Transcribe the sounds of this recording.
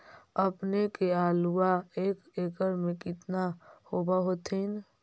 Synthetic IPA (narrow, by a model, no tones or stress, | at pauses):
əpnekeaːluaeːkeːkəɾmẽkɪt̪nahobaɦot̪ʰin